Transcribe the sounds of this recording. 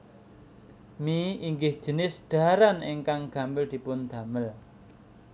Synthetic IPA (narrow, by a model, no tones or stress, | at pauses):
miiŋɡɪhʒ̥ə̤nɪsɖ̪̥a̤ɾaneŋkaŋɡ̥a̤mbɪld̪̥i̤pʊnd̪̥a̤məl